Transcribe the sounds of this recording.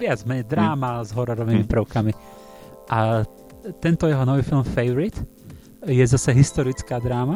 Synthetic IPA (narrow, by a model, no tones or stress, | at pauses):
ʋɪad͡zmɛɲɛd̪ɾaːmazɦɔɾɔɾɔʋimipɾəʊkami | ʔa | t̪ɛnt̪ɔjɛɦɔnɔʋiːfilˠmfɛjʋɔɾit̪ | jɛzasɛɦist̪ɔɾit͡skaːd̪ɾaːma